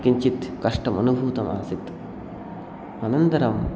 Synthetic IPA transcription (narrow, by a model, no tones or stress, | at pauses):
kiɲt͡ʃit̪kɐʂʈɐmɐ̰nubʱuːt̪ɐmʔa̰ːsit̪ | ɐnɐnt̪ɐɾɐm